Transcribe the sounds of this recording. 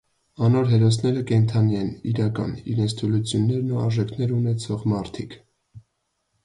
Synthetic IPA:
ɑnɔɾɦɛɾɔsnɛɾəkɛnt̪ʰɑniɛnḭɾɑkɑ̰nḭɾɛnt͡sʰt̪ʰulut͡sʰjunːɛɾnuɑ̰ɾʒɛkʰnɛɾunɛt͡sʰɔʁmɑɾt̪ʰikʰ

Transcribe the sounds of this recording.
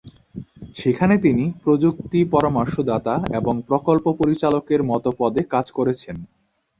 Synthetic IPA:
ʃekʰanet̪inipɾod͡ʑuk̚t̪ipɔɾomaɾʃod̪at̪aeboŋpɾokolpopoɾit͡ɕalokeɾmɔt̪opɔd̪ekad͡ʑkoɾet͡ɕʰen

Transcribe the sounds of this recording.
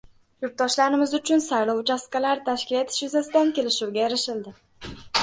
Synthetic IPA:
jʊɾt̪̚d̪ɒʃlaɾɪmɪzʊt͡ʃʰʊnsaɾlɒwt͡ʃʰaskalaɾt̪ʰaʃkʲɪle̞t̪ʰɪ̥ʃjʊzasɪd̪ankʲe̞lɪʃuwɡʲajeɾɪʃɪld̪ɪ

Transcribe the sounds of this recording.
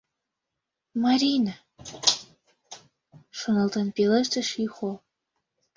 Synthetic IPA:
mɑɾʲinɑ | ʃŏnɤ̆lt̪ɤ̆npelə̆ʃt̪ə̆ʃixo

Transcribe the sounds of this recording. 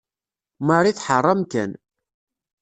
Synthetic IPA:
məɾˤiθħərˤːɑmkæ̰n

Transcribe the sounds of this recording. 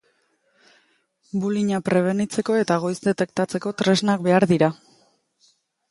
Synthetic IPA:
buliɲapɾe̞β̞e̞nit͡se̞ko̞e̞t̪aɣ̞o̞jzd̪e̞t̪e̞k̚t̪at͡se̞ko̞t̪ɾe̞znak̚be̞aɾðiɾa

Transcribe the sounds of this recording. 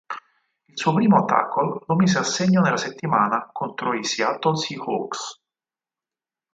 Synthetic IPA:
ilsuːopɾiːmoat̪ːa̰kʰːolomiːzeasːeɲːonelːaset̪ːimaːnakont̪ɾoisialt̪onsiho̰ks

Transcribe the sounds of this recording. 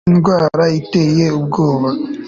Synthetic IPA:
nɡwaːɾaitejeubɡoːβa

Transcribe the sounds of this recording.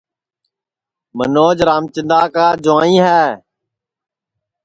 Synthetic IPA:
mə̰noːd͡ʒɾaːmt͡ʃɪnd̪aːkaːd͡ʒʊãːĩːɦɛː

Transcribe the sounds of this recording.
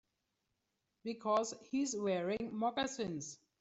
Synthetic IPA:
b̥ikʰɔzhizwɛɹɪ̃ŋmɔɡasĩns

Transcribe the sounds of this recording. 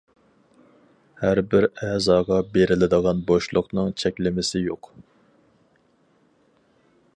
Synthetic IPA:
hæɾbɪɾɛzɑːʁɑbeɾɪlɪd̪əʁɑnboʃlˠʊqnɨŋt͡ʃʰɛkʲlɪmɪsɪjoq

